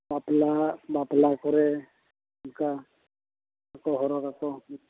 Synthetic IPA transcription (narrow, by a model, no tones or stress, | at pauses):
baplabaplakɔɾe | mka | akɔɦɔɾɔkako